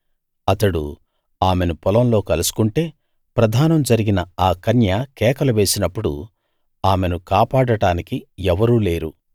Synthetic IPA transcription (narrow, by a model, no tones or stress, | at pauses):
ɐt̪ɐɽṵ | aːme̞nupɔlɐmlo̞ːkɐlusu̥kuɳʈe̞ː | pɾɐd̪ʱaːnɐmd͡ʒɐɾiɡinɐaːkɐnjakɛːkɐlɐʋe̞ːsinɐpːuɽṵ | aːme̞nukaːpaːɽɐʈaːnikiɛʋɐɾuːle̞ːɾṵ